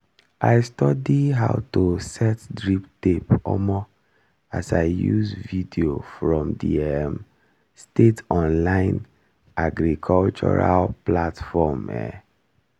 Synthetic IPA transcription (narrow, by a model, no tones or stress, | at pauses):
ʔaɪstɔdiɦaʊtosɛtdɹiptepɔ̰mɔ | asaɪjuzvidiofɹɔ̃mdḭɛm | stetɔ̃nlãɪ̃n | aɡɾikʰɔlt͡ʃɔ̰ɹalplatfɔmɛ̰